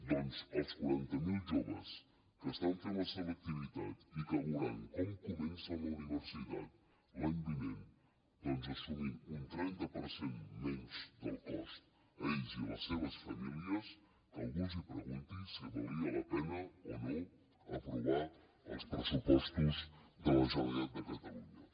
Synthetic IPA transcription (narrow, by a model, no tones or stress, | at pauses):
d̪onzɐlskwaɾant̪amilʒoβḛs | kəst̪ant̪enaseβak̚t̪iβit̪a̰t̪ikaɣuɾaŋkoŋkumẽnsanlauniβeɾsiða̰t̪ | land̪iβẽn | b̪onzasuminunt̪ɾent̪ɐpoɾsenmenuzd̪əlˠkɔst̪ | əiʒilə̰sːeβ̞əsfəmiliəz | ə̰lˠɣuzəpɾəɣunt̪insiβolˠiələpɛnəo̰no | əpɾuβa | ə̰lˠspɾəsupɔst̪uzðələzonəd̪əkət̪əluɲə